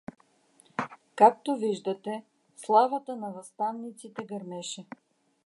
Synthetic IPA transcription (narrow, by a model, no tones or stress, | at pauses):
kak̚t̪oviʒd̪ət̪ɛ | slˠavət̪ənɐvɐst̪anːit̪sit̪ɛɡɐɾmɛʃɛ